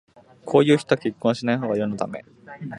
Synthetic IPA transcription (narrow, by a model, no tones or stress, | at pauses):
kʰo̞ːjɯ̟ːçi̥t̪oakʲikːõɰ̃ɕinaiɦoːɡajonot̪ame̞̰